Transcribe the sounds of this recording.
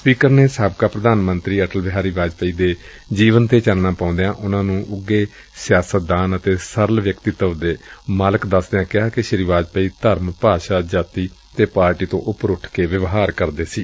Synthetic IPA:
spiːkəɾneːsəbkaːpɾəd̪aːnmə̃nt̪ɾiːəʈəlbɪɦaːɾiːʋaːd͡ʒpəiːd̪eː | d͡ʒiːʋənt̪eːt͡ʃəlnaːpãʊ̃nd̪eãːʔʊnãːnũːʔʊɡːeː | sjaːsət̪̚d̪aːnət̪eːsəɾəlʋjəkt̪ɪt̪əʋd̪eːmaːləkd̪əsd̪eãːkɪaːkɪʃəɾiʋaːd͡ʒpəiːt̪əɾmpaːʃaːd͡ʒaːt̪iːt̪eːpaːɾʈiːt̪õ̰ːʔʊpɾʊʈʰkeːʋəʋɦaːɾkəɾd̪eːsiː

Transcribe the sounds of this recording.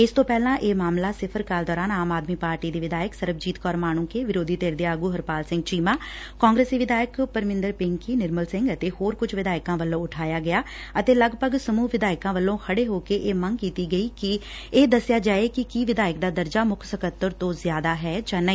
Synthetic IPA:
ɪst̪õːpɛːlãːʔeːmaːmlaːsɪpʰəɾkaːld̪ɔːɾaːnaːmaːd̪miːpaːɾʈiːd̪iːʋɪd̪aːjəksəɾəb̚ʰd͡ʒiːt̪kɔːɾmaːñũːkeːʋɪɾoːd̪ʱiːt̪eːɾd̪eːaːɡuːɦəɾpaːlsɪ̃ŋɡt͡ʃiːmãː | kɔ̃ːŋɡɾeːsiːʋɪd̪aːjəkpəɾmɪ̃nd̪əɾpɪŋkiːnɪɾməlsɪ̃ŋɡət̪eːhoːɾkʊt͡ʃʰʋɪd̪aːɪkãːʋəlːõːʊʈʰaːjaːɡɪjaː | ət̪eːləɡpəɡsəmuːʋɪd̪aːɪkãːʋəlːõːkʰəɽeːɦoːkeːʔeːməŋɡkiːt̪iːɡəiːkɪ | eːd̪əsɪjaːd͡ʒaːeːkɪkiʋɪd̪aːjəkd̪aːd̪əɾd͡ʒaːmʊkʰsəkət̪ːəɾt̪õːzɪjaːd̪aːɦɛːd͡ʒãːnaiː

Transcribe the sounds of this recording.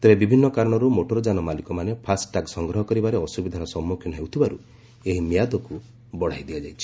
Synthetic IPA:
t̪ebebibʱinːɔkaɾɔɽ̃ɔɾumoʈɔɾɔd͡ʒanɔmalikɔmanepʰasʈaksɔŋɡɾɔɦɔkɔɾibaɾeɔsubid̪ʱanɔsɔmːukʰjɔnɔɦewt̪ʰibaɾu | eɦimjad̪ɔku | bɔɽ̤ajd̪iad͡ʒajt͡ʃʰi̥

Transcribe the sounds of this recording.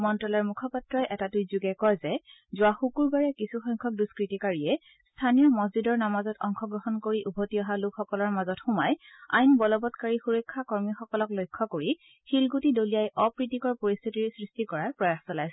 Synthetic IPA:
mɔntɹɔlɔɹmukʰɔpatɹɔjʔɛtatʊjzuɡɛkɔjzɛ | zʊaxukuɹɡaɹɛkisuxɔjŋkʰɔk̚duskɹitikaɹiɛ | stʰanijɔmɔzidɔɹnamazɔtɔŋxʰɔɡɹɔɦɔnkoɹiʔubʱɔtiɔɦalʊkxɔkɔlɔɹmazɔtxumaj | a̰jnbɔlɔbɔtkaɹixuɹɔkʰːakɔɹmixɔkɔlɔklojkʰːɔkoɹi | xilɡutidolijajʔɔpɹitikɔɹpoɹist̪ʰitiɹsɹistikɔɹapɹɔjaxsɔlajs

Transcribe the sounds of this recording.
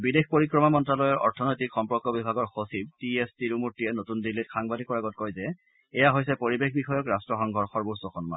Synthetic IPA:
bidexpoɹikɹɔmamɔntɹalɔjɔɹʔɔ̰ɹtʰɔnojtikxɔmpɔɹkɔbibʱaɡɔɹxosib̚tiestiɹumutːiɛnotundilitxaŋbadikɔɹaɡɔt̚kɔjzɛ | ɛjaɦojsɛpoɹibexʰbixɔjɔkɹastɹɔxɔŋɡʱɔɹxɔɹbusɔxʰɔnma̰

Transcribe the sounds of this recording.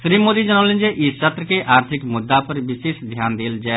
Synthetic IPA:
ʃɾiːmoːd̪id͡ʒənaːlə̃nd͡ʒeʔɪst͡ʃət̪ɾəkeʔʔaːɾt̪ʰɪkmʊd̪ːapəɾʋɪʃeːʃd̪ʱjaːnd̪ɪld͡ʒɛː

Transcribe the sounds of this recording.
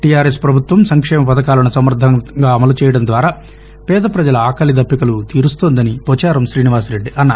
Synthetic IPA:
ʈijaːɾespɾɐbʱut̪ʋɐmsɐŋkʂɛːmɐpɐd̪ɐkaːlɐnusɐmɐɾd̪ʱːɐŋɡaːɐmɐlut͡ʃɛːjɐɽɐnd̪ʋaːɾaː | pɛːd̪ɐpɾɐd͡ʒɐlɐaːkɐlid̪ʱɐpːikɐlut̪iːɾust̪oːnd̪ɐnipɔːt͡ʃaːɾɐmʃɾiːniʋaːsɾe̞ɖːiʔɐnːa

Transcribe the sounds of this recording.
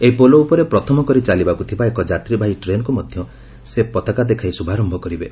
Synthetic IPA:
eipoloupɔɾepɾɔt̪ʰɔmɔkɔɾit͡ʃalibakut̪ʰibaekɔd͡ʒat̪ɾibʱajʈɾenɔkumɔd̪ʱjɔ | sepɔt̪akad̪ekʰajsubʱaɾɔmbʱɔkɔɾibe

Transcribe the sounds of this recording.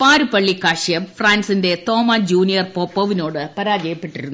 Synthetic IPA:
paːɾupɐɭːikːaːʂijɐmfraːnsinde̞t̪o̞ːmad͡ʑuːnijɐrpoːpːɐʋino̞ːɽɨpɐɾaːd͡ʑɐjɐpːe̞ʈːiɾunːu

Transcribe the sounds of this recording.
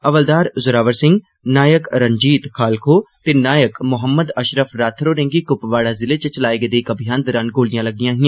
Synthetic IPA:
ɐʋəld̪aːɾzʊɾaːʋəɾsɪ̃ŋɡ | naːjəkɾəɲd͡ʒiːt̪xʰaːlkʰoːt̪enaːjəkmʊɦəmːəd̪əʃɾəfɾaːt̪ʰɾoːɾẽːŋɡikʊpʋaːɽazɪlet͡ʃət͡ʃɐlaːeɡed̪eːkɐbʱijaːnd̪ɔːɾaːnɡoːlijãlɐɡ̚ijãːɦɪ̃ã

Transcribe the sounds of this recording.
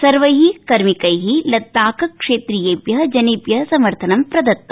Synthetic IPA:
sɐɾʋɐjɦikɐɾmikɐjɦilɐt̪ːaːkɐkʂeːt̪ɾijeːbjɐɦɐd͡ʒɐniːpjɐɦɐsɐmɐɾt̪ʰɐnɐmpɾɐd̪ɐt̪ːɐ

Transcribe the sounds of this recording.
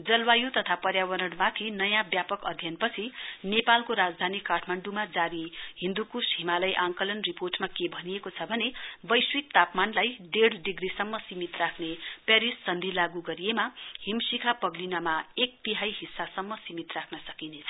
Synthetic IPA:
d͡zʌlwajut̪ʌt̪ʰapʌrjawʌɾʌɽmat̪ʰinʌjãbjapʌkʌd̪ʱjʌnpʌt͡sʰinepalkoɾad͡zd̪ʱanikːaʈʰmaɳɖumad͡zaɾiɦĩnd̪ukusimalʌjʔãŋkʌlʌnriporʈmakebʱʌnijekot͡sʰʌbʱʌnebʌjswik̚t̪apmanlajɖeɽɖiɡrisʌmːʌsimit̪rakʰnepaɾisːʌnd̪ʱilaɡuɡʌɾijemahimsikʰapʌɡlinamaek̚t̪iɦajɦisːasʌmːʌsimit̪rakʰnʌsʌkinet͡sʰʌ

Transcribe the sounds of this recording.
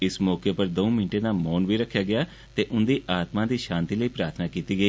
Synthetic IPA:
ɪsmɔːkeːpəɾd̪oːmɪnʈeːnaːmɔːnʋiːɾəkʰːjaːɡɪaː | t̪eːʔʊnd̪iːʔaːt̪mãːd̪iːʃãːnt̪iːləiːpɾaːɾt̪ʰnaːkiːt̪iːɡəiː

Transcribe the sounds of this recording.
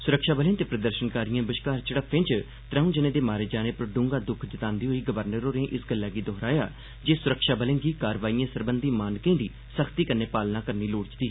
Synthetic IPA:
sʊɾəkʃaːbəlẽːt̪eːpɾəd̪əɾʃənkaːɾɪjãːbəʃkaːɾt͡ʃəɽəpʰːɪ̃t͡ʃ | t̪ɾãːũːd͡ʒənẽːd̪eːmaːɾeːd͡ʒaːneːpəɾɖʊ̃ŋɡaːd̪ʊkʰd͡ʒɪt̪aːnd̪iːɦoiːɡəʋəɾnəɾoːɾẽːʔɪsɡəlːaːɡiːd̪ɔɦɾaːja̰ː | d͡ʒeːsʊɾəkʃaːbəlẽːɡiːkaːɾʋaːiːãːsəɾbənd̪iːmaːnkẽːd̪iː | səkʰt̪iːkənːeːpaːlnãːkəɾniːloːɽt͡ʃd̪iː

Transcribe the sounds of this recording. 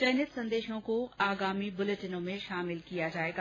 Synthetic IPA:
t͡ɕɐːnət̪sɐ̃nd̪eːʃõkoaːɡaːmibʊleʈɪnõmẽʃaːmɪlkijad͡ʑaːeːɡ

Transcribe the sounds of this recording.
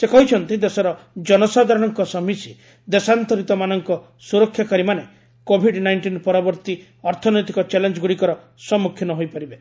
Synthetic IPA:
sekɔɦit͡ʃʰɔnt̪ĩd̪esɔɾɔ | d͡ʒɔnɔsad̪ʱaɾɔɽ̃ɔŋkɔsɔmisi | d̪esant̪ɔɾit̪ɔmanɔŋkɔ | suɾɔkʰːjakaɾimane | kobʱiɖnajɳʈinpɔɾɔbɔɾt̪i | ɔɾt̪ʰɔnɔjt̪ikɔt͡ʃelend͡ʒɔɡuɽikɔɾɔ | sɔmːukʰjinɔɦojpaɾibe

